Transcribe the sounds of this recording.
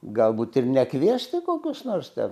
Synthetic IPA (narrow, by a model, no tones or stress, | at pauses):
ɡɐlˠbuːt̪ɪrnʲɛkʋʲiɛsʲt̪ʲɪkoːkʲʊsnoːrst̪ʲɛ̰